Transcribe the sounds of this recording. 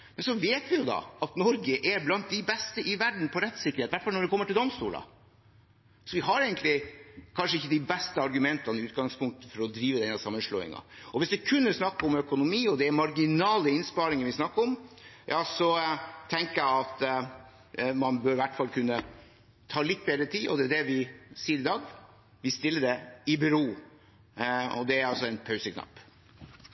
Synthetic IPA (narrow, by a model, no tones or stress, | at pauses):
mɛnsɔʋeːt̪ʋɪjʊd̪ɑ̰ʔɑt̪nɔɾɡəʔɛɾblɑnt̪̚d̪ɪbɛst̪əʔɪʋæɖɳ̩n̩pʰɔɾɛt̪ːsɪkːəɾet̪ʋæʈːfɑlnɔɖ̪ɛkɔmːəʈʰɪld̪ɔmst̪uːlɑ̰ | sɔʋɪɦɑɾeːɡənt̪lɪkʰɑnʂəɪçːəd̪ɪbɛst̪əɑɾɡʉmɛnt̪ɑnəɪʉːt̪ɡɑŋspʰʊŋk̚t̪əfɔɾɔd̪ɾiːʋəd̪ɛnhæsɑmːənʂɭɔ̰ːɪ̰ŋɑ̰ɔʋɪsd̪ɛkʰʉnːəsnɑkːɔmœkʊnʊmiːɔd̪ɛæɾmɑɾɡɪnɑːləɪnspɑːɾɪŋənʋɪsnɑkːəɾɔmjɑːsɔt̪ʰɛŋkəjæɑt̪ | mɑnbøːɾɪʋæʈːfɑlːkʰʉnːə | t̪ʰɑːlɪt̪ːbeːd̪ɾət̪ʰiːɔ̰d̪ɛæɖɛʋɪsiːəɾɪd̪ɑːɡ | ʋɪst̪ɪlːəɖ̪ɛɪbʉɾoː | ɔ̰d̪ɛæɾɑlsɔɛnpʰɑʉsəkʰnɑ̰pː